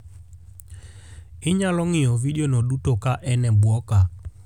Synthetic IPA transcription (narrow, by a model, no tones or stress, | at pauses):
ɪɲalɔŋiɔviɗɔnɔɗutɔkaʔɛnɛbwɔka